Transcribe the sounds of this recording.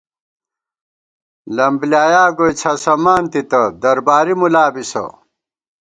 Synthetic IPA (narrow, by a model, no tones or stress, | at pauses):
lɐmbljaːjaːɡojt͡sʰɐsɐmaːnt̪it̪ɐd̪ɐɾbaːɾimulaːbisɐ̰